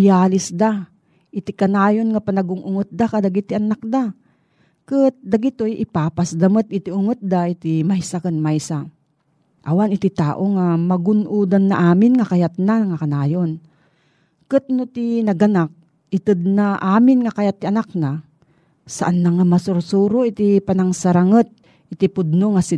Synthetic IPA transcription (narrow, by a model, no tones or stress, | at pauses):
jaːlɪsd̪a | ʔɪt̪ɪkɐnaːjonŋapanaɡʊŋʔʊŋɨt̪̚d̪akad̪aɡit̪iʔanak̚d̪a | kɨt̪̚d̪aɡɪt̪ojʔɪpaːpasd̪amɨt̪̚ɪt̪iʊŋɨt̪̚d̪aʔɪt̪imajsakɨnmajsa | ʔawanɪt̪ɪt̪aːʔoŋamɐɡʊnʔuːd̪anːaʔaːmɪnŋakajat̪̚naŋakɐnaːjon | kɨt̪̚nʊt̪inɐɡɐnak̚ | ɪt̪ɨd̪̚naʔaːmɪnŋakajat̪ːiʔanak̚na | saʔanːaŋamasʊɾsuːɾoʔit̪ipanaŋsaɾaŋət̪̚ | ɪt̪ɪpʊd̪̚noŋasɪ